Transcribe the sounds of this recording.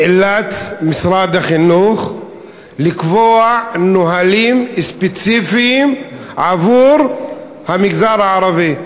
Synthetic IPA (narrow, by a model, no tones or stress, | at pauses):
elat̪misɾad̪aχinuχ | likvoanoɦalimspet͡sifiim | ʕavuɾ | hamiɡzaɾaaɾavi